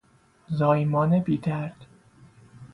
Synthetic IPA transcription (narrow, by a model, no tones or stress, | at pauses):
zɒːjmɒːnebiːd̪æɾd̪̥